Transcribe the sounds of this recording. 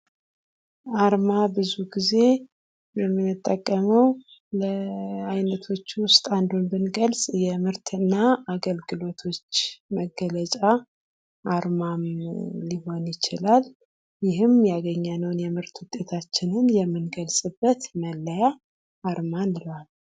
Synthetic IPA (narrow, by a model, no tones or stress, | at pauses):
aɾmabɨzuɡize̞ | jɛmːɨnːɨt̪ʼːəkʼːəməw | ləajnət̪ʰo̞t͡ʃːwʊst̪ʼand̪onbɨnɡəlsʼjɛmɨɾt̪ʰɨnːaaɡəlɡɨlo̞t̪ʰo̞t͡ʃːməɡːələt͡ʃʼa | ʔːɾmamliɦo̞njɪt͡ʃɪlal | jɪɦɨmjaɡəɲːanəwnjɛmɨɾt̪wʊt̪ʼːe̞t̪ʰat͡ʃːɪnɨnjɛmːɨnɡəlsʼɨbːət̪məlːəja | aɾmanɨlal